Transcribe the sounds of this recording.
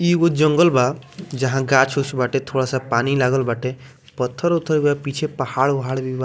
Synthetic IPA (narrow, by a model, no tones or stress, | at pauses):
iɡod͡ʒəŋɡəlbad͡ʒɐɦãɡaːt͡ʃʰusbaʈet̪ʰoːɽasapaːnilaːɡəlbaʈe | pət̪ʰːəɾut̪ʰəɾbapit͡ʃʰepəhaːɽʋɦaɽbiba